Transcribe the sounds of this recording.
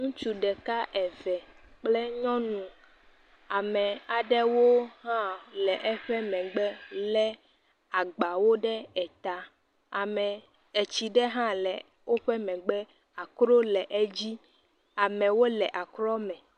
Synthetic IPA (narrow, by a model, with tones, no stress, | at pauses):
ŋũ˦t͡ʃu˦ɖɛ˨ka˦ʔɛ˨vɛ˨k͡plɛ˦ɲɔ̃˦nũ˨ | a˨mɛ̃˨a˨ɖɛ˦wo˦ɦã˦lɛ˨ʔɛ˦ɸɛ˦mɛ̃˨ɡ͡bɛ˦lɛ˦ | a˨ɡ͡ba˨wo˦ɖɛ˦ɛ˨t̪a˦ | a˨mɛ̃˨ | e˨t͡ɕi˨ɖɛ˦ɦã˦lɛ˨ | wʔo˦ɸɛ˦mɛ̃˨ɡ͡bɛ˦ | a˨kɾo˦lɛ˨ʔɛ˦d͡ʑi˦ | a˨mɛ̃˨wo˦lɛ˨ʔa˨klɔ˦mɛ̃˨